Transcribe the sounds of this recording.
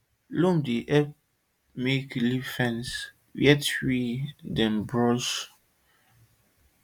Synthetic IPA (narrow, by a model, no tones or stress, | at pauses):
lõmdiʔɛp | meklifɛ̃ns | jɛtɹidɛ̃mbɹɔʃ